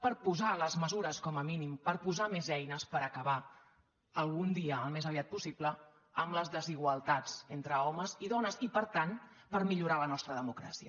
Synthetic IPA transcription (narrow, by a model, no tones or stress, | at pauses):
pəɾpuzaləzməzuɾəskɔməminimpəɾpuzamezɛjnəspəɾəkəβa | əlˠɣund̪iəːlˠmezəβiat̪̚pusiblə | əmləzðəziɣwəlˠt̪ad͡zent̪ɾəɔməziðɔnəzipəɾt̪an | pəɾmiʎuɾalənɔst̪ɾəðəmukɾa̰siə